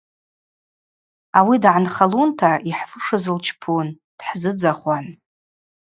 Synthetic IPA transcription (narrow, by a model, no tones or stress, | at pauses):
awidʕanχaluntʰaʔiħfɨʂɨzɨlt͡ʃʰpʰun | d̥ħzɨd͡zaχʷan